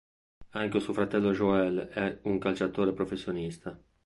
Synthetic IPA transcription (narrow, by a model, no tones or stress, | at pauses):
aŋk̟esuofɾat̪ɛlːoʒoɛlɛuŋkalt͡ʃat̪oːɾepɾofesːjonist̪a